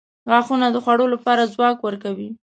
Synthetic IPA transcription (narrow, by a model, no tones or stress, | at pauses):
ɣɑxunad̪əxwaɽolapɑɾazwɑkwəɾkawi